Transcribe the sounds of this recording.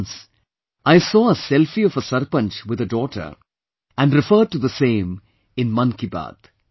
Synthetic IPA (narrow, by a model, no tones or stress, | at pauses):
ns | aɪsɔːəsɛlfiɔvəsəɾpə̃nt͡ʃwɪd̪ədɔːʈə̰˞ | æ̃nɖɾɪfəːɖ̚ʈud̪əsẽːm | ɪ̃nmʌ̃nkiba̰ːd̪̥